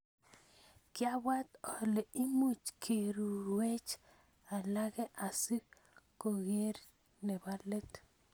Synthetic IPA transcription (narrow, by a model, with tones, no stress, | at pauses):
kɪ˦a˦wa˦t̪ɔ˨le˨i˦mu˦t͡ʃkʰe˨ɾu˨we˦t͡ʃ | a˨la˦ɡɛ˦ʔa˨si˦ | ko˨ɣe˦ɾ | nɛ˨ba˦le˦t̪